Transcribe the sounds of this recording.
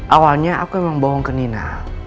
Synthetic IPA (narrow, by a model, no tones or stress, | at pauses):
ʔawalɲaʔa̰kuemaŋbɔɦɔŋkənina